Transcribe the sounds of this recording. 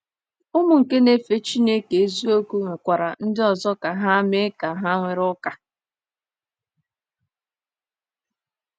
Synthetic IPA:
ʊ˦mʊ˨ŋ̩˨ke˦ne˨fe˦t͡ʃi˦ne˦ke˨e˦zi˦o˦ku˦ŋʷe˨kʷa˨ɾa˨n̩˦dɪ˦ɔ˨zɔ˦ka˨ɦa˦me˦ka˨ɦa˦ŋʷe˨ɾɔ˦ka˨

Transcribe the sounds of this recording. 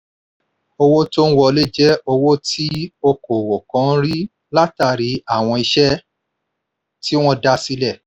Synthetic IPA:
o˧wo˦to˦n̩˦wɔ˧le˦˨d͡ʒɛ˦o˧wo˦ti˦o˧ko˨wo˨kã˨˦ɾi˦ | la˦ta˦˨ɾi˨˦a˦˨w̃ɔ̃˧i˧ʃɛ˦ | ti˦w̃ɔ̃˦da˦si˦lɛ˦˨

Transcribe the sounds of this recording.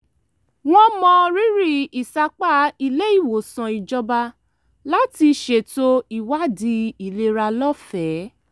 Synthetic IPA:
w̃ɔ̃˦mɔ̃˧ɾi˦ɾi˦˨i˨sa˧k͡pa˦i˧le˦i˦˨wo˨sã˨i˨d͡ʒɔ˧ba˧ | la˦ti˧ʃe˨to˧i˨wa˦di˧˦i˨le˧˦ɾa˧lɔ˦fɛ˨˦

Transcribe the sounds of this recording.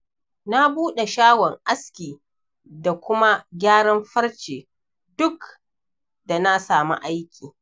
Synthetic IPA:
na˦buː˦ɗe˨ʃaː˦wɔ˨ŋʔa˦skʲiː˨ | da˨kʷʊ˦ma˦ɡʲaː˦ɽɐ˦mɸɐ˦ɽt͡ʃeː˨ | dʊ˦k | da˨na˦saː˨mṵ˦ʔa˦jkʲʰiː˨

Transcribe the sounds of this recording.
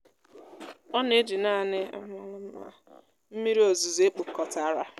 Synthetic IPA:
ɔ˦ne˦d͡ʒi˨naː˦˨nɪ˦a̰˦ma˦lʊ˦m̩˦ma̰˦˨ | m̩˦mi˦ɾi˦o˨zu˨ze˦pu˨kɔ˨ta˦ɾa˦

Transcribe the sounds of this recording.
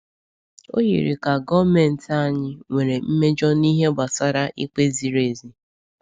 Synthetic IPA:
o̰˦jḭ˨ɾi˨ka˨ɡɔ˦me˨n̩˨ta˦˨ɲɪ˦ŋʷe˨ɾe˨m̩˦me˦d͡ʒɔ˦ni˦ɦe˦ɡ͡ba˨sa˦ɾa˦ʔi˦k͡pe˦zi˨ɾe˨zi˦

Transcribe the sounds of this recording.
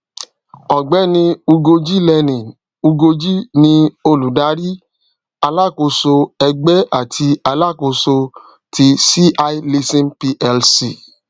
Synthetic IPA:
ɔ˨ɡ͡bɛ˨˦nĩ˧u˧ɡo˧d͡ʒi˦lɛ˧nĩ˨n | u˧ɡo˧d͡ʒi˦nĩ˧o˧lu˨da˨˦ɾi˦ | a˧la˦˨ko˧so˧ɛ˧ɡ͡bɛ˦a˦˨tʰi˧a˧la˦˨ko˧so˧ | ti˧si˦ʔa˧i˦li˧sĩ˦npi˧ʔɛ˧lsi˨

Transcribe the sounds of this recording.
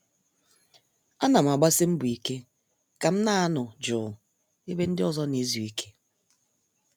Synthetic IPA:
a˦na˨m̩˨a˨ɡ͡ba˦si˦m̩˦bu˨i˨ke˦ | ka˨m̩˦na˦a˦nʊ˨d͡ʒʊː˨ | e˦be˦n̩˦dɪ˦ɔ˦zɔ˦ne˨˦zu˨i˦kʰe̥˦

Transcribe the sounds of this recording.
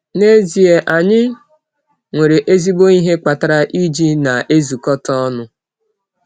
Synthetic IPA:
ne˦zi˨e˨ʔa˨ɲɪ˦ | ŋʷe˨ɾe˨ʔe˦zi˦bo˦i˦ɦe˦k͡pa˨ta˨ɾa˦ʔi˦d͡ʒi˦na˨e˦zu˨kɔ˦tɔɔ˦nʊ˦

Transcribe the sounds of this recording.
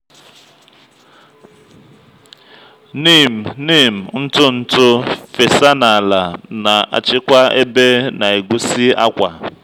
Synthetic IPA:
niː˦˨m̩˨ni˦˨m̩˨n̩˦tʊ˦n̩˨tʊ˦fe˨sa˦na˨la˨na˨ʔa̰˨t͡ʃɪ˦kʷa˦ḛ˦be˦na˨e˨ɡʷu˦si˦a̰˦kʷa˨

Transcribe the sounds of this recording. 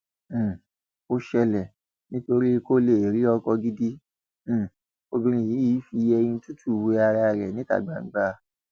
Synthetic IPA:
o˦ʃɛ˧lɛ˨ | nĩ˦to˧ɾi˦˧ko˦le˦˨ɾi˦ɔ˧kɔ˧ɡi˦dĩ˦˨ | o˧dũ˧ɾ̃ĩ˧˨i˨˦i˦fi˧ɛ˧j̃ĩ˧tu˦tʰu˦˨we˧˦a˧ɾa˧˨ɾɛ̰˨nĩ˨˦ta̰˦˨ɡ͡ba˨˦˨ŋ̩˨˦ɡ͡ba˧˦

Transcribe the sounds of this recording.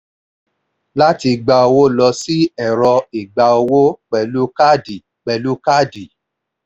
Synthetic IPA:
la˦ti˧ɡ͡ba˧o˧wo˦lɔ˧si˦ɛ˦˨ɾɔ˧i˨ɡ͡ba˧o˧wo˦k͡pɛ˨lu˦ka˦di˨ | k͡pɛ˨lu˦ka˦di˨

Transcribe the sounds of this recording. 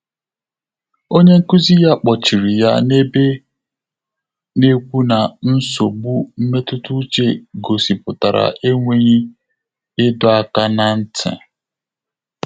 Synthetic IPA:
o˦ɲe˦ŋ̩˦ku˦zi˦ja˦k͡pɔ˨t͡ʃi˨ɾi˨ja̰˦ne˦be˦ | ne˦kʷu˦na˨n̩˦so˨ɡ͡bu˦m̩˦me˦tʊ˦tu˦t͡ʃe˦ɡo˨si˨pʊ˨ta˨ɾa̰˨ʔe˦ŋʷe˦ɲi˦ | ɪ˦dʊ˦a˦ka˦na˨n̩˦tʰɪ̰˨

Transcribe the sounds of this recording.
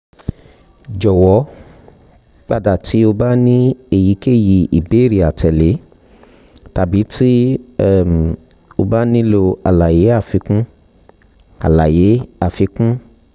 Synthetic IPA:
d͡ʒɔ˨wɔ˨˦ | k͡pa˦˨da˦˨tʰi˨˦o˧ba˦nĩ˦e˨ji˨˦ke˦˨ji˧i˨be˨˦˨ɾi˨a˨tʰɛ˨le˨˦ | ta˨bi˨˦ti˦˨ | o˧ba˦nĩ˦lo˧a˨la˨je˨˦a˦˨fi˧kũ˦ | a̰˨la˨je˨˦a˦˨fi˧kũ˦

